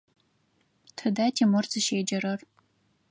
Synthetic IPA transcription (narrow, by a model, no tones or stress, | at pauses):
tʰɨdaːtʰimɨrzɨʃeːd͡ʒɐɾɐr